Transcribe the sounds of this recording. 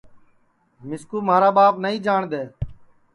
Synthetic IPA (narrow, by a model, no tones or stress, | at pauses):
mɪskuːmaːɾaːɓaːpnəĩːd͡ʒaːɳd̪eː